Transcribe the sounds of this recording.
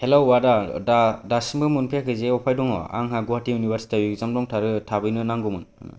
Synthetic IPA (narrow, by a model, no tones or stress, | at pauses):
helawːadadadasimbɯmɯnpʰijakʰɯzeɔpʰajdɔŋɔ̰a̰ŋɦaɡɔwatijunibeɾsi̥tijuɡzamdɔŋtʰaɾɯtʰabɯjnɯnaŋɡɔmɯn̰